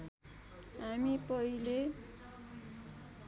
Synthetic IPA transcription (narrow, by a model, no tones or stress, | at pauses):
ɦamipʌɦile